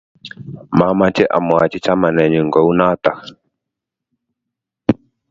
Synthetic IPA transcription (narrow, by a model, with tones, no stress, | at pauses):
ma˨˦ma˨t͡ʃɛ˦ʔa̰˨mwa˨t͡ʃi˦t͡ʃa˦ma˨nɛ˨ɲi˨ŋɡɔ˦u˦na˦t̪a˨